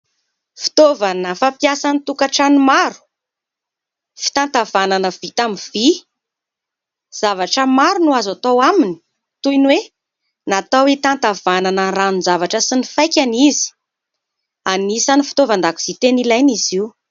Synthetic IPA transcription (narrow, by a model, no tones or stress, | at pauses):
fi̥t̪ovanəfapjasanit̪ukaʈ͡ʂanimaɾu̥ | fi̥t̪ant̪avananəv̥it̪amiv̥i | z̥avaʈ͡ʂəmaɾunuazat̪owamini̥ | t̪ujnwe | nat̪awit̪ant̪av̥ananəranunzavaʈ͡ʂəsinifajkʲanizi̥ | anisanifi̥t̪ovand̪aku̥z̥it̪enilajniziu